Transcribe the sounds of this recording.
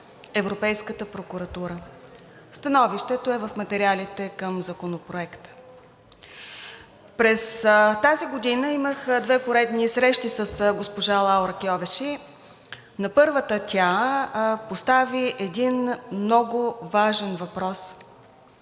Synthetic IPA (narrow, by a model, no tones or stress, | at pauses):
ɛvɾopɛjskət̪əpɾokʊɾɐt̪uɾə | st̪ɐnɔviʃt̪ɛt̪oɛvəfmɐt̪ɛɾʲialʲit̪ɛkəmzɐkonopɾoɛkt̪ə̥ | pɾɛst̪aziɡod̪inəiməxd̪vɛpoɾɛd̪nisɾɛʃt̪isəsɡospoʒalˠaoɾəkiɔvɛʃi | nɐpɤɾvət̪ət̪ʲa | post̪aviʔɛd̪inmnɔɡʊvaʒɛnvɐpɾɔs